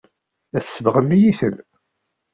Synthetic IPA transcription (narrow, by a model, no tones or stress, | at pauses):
æθsːəvəʁəmːijiθəm